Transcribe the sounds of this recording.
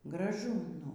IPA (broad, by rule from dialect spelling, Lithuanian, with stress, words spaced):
ɡrɐˈʒʊ ˈnʊ